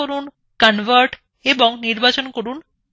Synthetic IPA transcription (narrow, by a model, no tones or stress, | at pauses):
oɾun | kanʋʱəɾʈ | ebɔŋniɾbat͡ɕonkoɾun